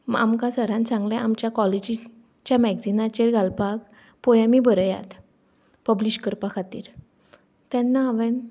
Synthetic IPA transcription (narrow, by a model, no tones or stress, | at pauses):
a̰mkasəɾãnt͡sãŋɡljɛ̃ʔamt͡ɕjakɔled͡ʑi | t͡ɕjamɛɡsd͡zinat͡ɕeɾɡʱalpaɡ | pɔjamibəɾəja̰t̪ | pəbliɕkəɾpakʰat̪ḭːɾ | t̪ɛ̃nːaːʋɛ̃n